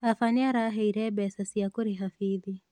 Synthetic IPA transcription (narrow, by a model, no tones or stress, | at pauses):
afaniaɾaɦɛiɾɛbɛsasiakuɾiɦafiði